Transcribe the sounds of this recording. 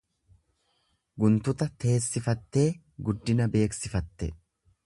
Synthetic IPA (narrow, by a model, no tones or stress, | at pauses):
ɡʊnt̪ʊt̪ɐt̪e̞ːsːɪfɐt̪ːe̞ː | ɡʊd̪ːɪnɐbe̞ːksɪfɐt̪ːɛ